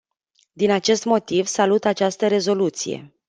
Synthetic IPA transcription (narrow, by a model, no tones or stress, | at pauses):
d̪inat͡ʃe̞st̪mo̞t̪ivsalut̪at͡ʃast̪əɾe̞zo̞lut̪sḭje̞̰